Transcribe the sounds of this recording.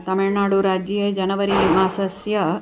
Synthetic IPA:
t̪ɐmɪɭnaːɽuɾaːd͡ʒjeːd͡ʒɐnɐʋɐɾimaːsɐsjɐ

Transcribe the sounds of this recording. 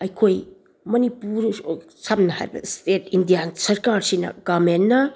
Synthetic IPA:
ɐjkʰoj | mɐnipuɾ | samnɐha̰ɾibɐ̰stetʰindijansɐɾkaɾsinɐ̰ɡamenːɐ

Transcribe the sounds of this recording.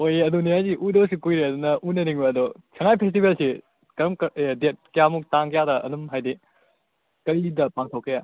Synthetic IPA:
ojeɐduniajziʔudɐs̬ikujɾeɐdunɐʔunɐɾiŋbɐɐdosʰɐŋajpʰes̬tibelsi | kɐɾɐmkdet̚kijamuk̚taŋkjadɐʔɐ̰dumɦajdi | kɐɾidɐpaŋtʰowkʰːija

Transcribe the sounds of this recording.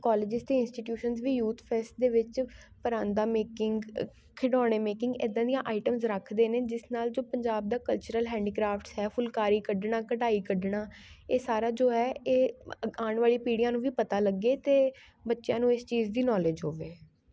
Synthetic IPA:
kɔːleːd͡ʒɪst̪eːɪnsʈiːʈjuːʃənzʋiːjuːt̪ʰpʰeːsʈ̚d̪eːʋɪt͡ʃ | pəɾãːnd̪aːmeːkɪŋɡ | kʰɪɖɔ̃ːɽ̃eːmeːkɪ̃ŋɡeːd̪ãːd̪ijãːʔaːɪʈəmzɾəkʰd̪eːneːd͡ʒɪsnaːld͡ʒoːpəɲd͡ʒaːb̚d̪aːkəlt͡ʃəɾəlɦɛ̃ːɳɖiːkɾaːpʈsɦɛːfʰʊlkaːɾiːkəɖɳaːkəʈaːiːkəɖɳaːeːsaːɾaːd͡ʒoːɦɛːeːaːɳʋaːliːpiːɽijãːnũːʋiːpət̪aːləɡeːt̪eː | bətːʃjãːnũːɪst͡ʃiːzd̪iːnɔːleːd͡ʒɦoːʋeː

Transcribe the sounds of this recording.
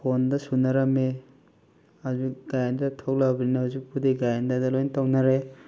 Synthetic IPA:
pʰondɐsunɐɾɐme | hazuk̚ɡ̥ajandɐtʰok̚labninɐhuzik̚pudeɡajandɐdɐlojntawnɐɾe

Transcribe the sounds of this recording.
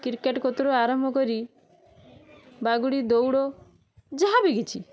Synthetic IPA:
kiɾkeʈkɔt̪uɾuaɾɔmbʱɔkɔɾi | baɡuɽid̪owɽɔ | d͡ʒaɦabiɡit͡ʃʰi

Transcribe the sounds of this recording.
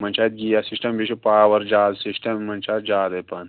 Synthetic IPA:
mɐnt͡ʃʰaːjt̪̚ɡiːjasisʈɐmbiʃipaːwɐɾd͡ʒaːzsisʈɐmːɐnt͡ʃaːt̪d͡ʒaːd̪ɐpɐn

